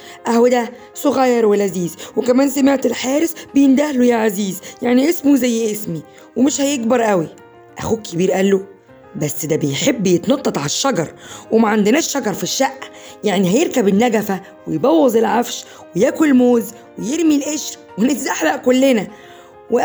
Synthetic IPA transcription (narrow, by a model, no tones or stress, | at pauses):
ʔæhwed̪æ | sˤoɣɑjːɑɾˤwelæziːzwekæmæːnsæmeʕt̪elħæːɾesbejend̪æhlojæʕaziːzjaʕniʔesmuzæjːʔesmi | wemeʃhæjeɡbɑɾˤʔæwi | ʔæ̰xuːkʰːebiːɾʔælːo | bæsːd̪æbejħebːjet̪nɑt̪ˤːɑt̪ˤʕalʃːɑɡɑɾˤwemæʕand̪enæːʃːɑɡɑɾˤfiʃːæʔː | jaʕnihæjeɾkæbenːæɡæfæ | wejbɑwːɑzˤelʕafʃ | wejæːkolmoːz | wejeɾmilʔeʃ | wenæʔaħlæʔkolːenæ | we